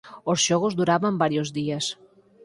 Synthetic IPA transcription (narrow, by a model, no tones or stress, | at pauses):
ozʒɔɣozd̪uɾaβambaɾjozd̪ies